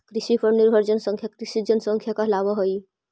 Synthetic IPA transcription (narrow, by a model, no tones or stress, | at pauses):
kɾisipʰəɾniɾbʱəɾd͡ʒənsə̃ŋkʰjakɾisid͡ʒənsə̃ŋkʰjakaɦlabɔɦoj